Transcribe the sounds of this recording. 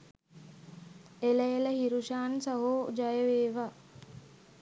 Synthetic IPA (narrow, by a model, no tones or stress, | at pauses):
eləjeləɦiɾuʃaːnsaɦuːd͡ʒajəʋeːʋa